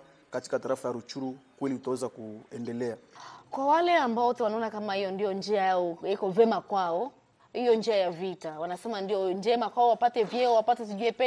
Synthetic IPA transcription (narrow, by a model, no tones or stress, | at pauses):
kati̥kataɾafajaɾut͡ʃuɾukwɛliutawɛzakuɛndɛlɛakwawalɛambaɔtɛwanaɔnakamahijɔndijɔnd͡ʒiajaɔjikɔvɛmakwaɔ | hijɔnd͡ʒiajavitawanasɛmandijɔnd͡ʒɛmakwaɔwapatɛvjɛɔwapatɛs̬iʄuɛpɛ